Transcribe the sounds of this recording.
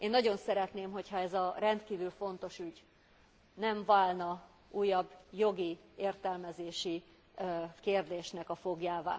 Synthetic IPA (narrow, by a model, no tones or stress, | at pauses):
eːnːɒɟo̞nsɛɾɛt̪neːmɦo̞chɒɛzɒrɛnt̪kiːvylfo̞nt̪o̞ʃyɟ | nɛɱvaːlnɒ | uːjːɒbːjo̞ɡieːrt̪ɛlmɛzeːʃi | keːrd̪eːʃnɛkɒfo̞ɡjaːva̰ː